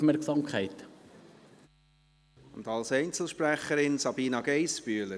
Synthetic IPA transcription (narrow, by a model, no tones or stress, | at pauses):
mɛɾksɑmkχɛɪt̪ | ʊndɑlsɛɪnt͡sl̩ˠʃpræχəɾɪnsɑbiːnɑɡɛɪsb̥yːlə